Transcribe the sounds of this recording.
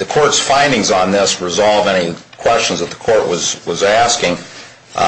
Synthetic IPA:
ðɨkʰɔɹtsfãɪ̃ndɪ̃ŋzn̩ðɪsɹɨzɑlˠvɛnikʰw̥ɛst͡ʃn̩zðət̪̚ðə̥kʰɔɹʔwʌzwʌzæskɪ̃ŋ

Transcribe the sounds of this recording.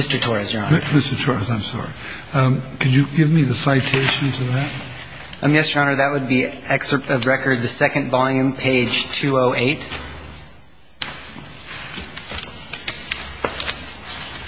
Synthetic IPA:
mɪstə˞tʰɔɹɨsɑ̃nmɪstə˞tʰɔɹɨsãɪ̃msɔ̰ɹi | kʰɨd͡ʒɨɡɪvmiðɨsaɪtʰeɪʃɨ̃ntʰɨðæt̚ | ʌ̃mjɛsɹɑ̃ñə˞ðɨt̚wəd̚biɛksə˞ʌvɹɛkə˞d̪̚ðɨsɛkɨ̃nvɑlˠjʉ̃mpʰeɪd̥ʒ̥tʰʉoʊʔeɪt

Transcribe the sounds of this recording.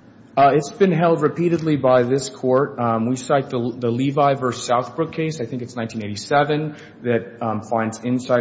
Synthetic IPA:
ɪtsb̥ɨ̃nɦɛlˠd̚ɹɨpʰiɾɨdˡlibaɪðɪskʰɔɹt̚wisaɪt̪̚ðəðəlivaɪvɜ˞saʊθb̥ɹʊkʰːeɪsaɪθɪ̃ŋkɨtsnãɪ̃ntʰĩneɪɾisɛvɨ̃n | ðɨt̚fãɪ̃ndzɪ̃nsaɪ

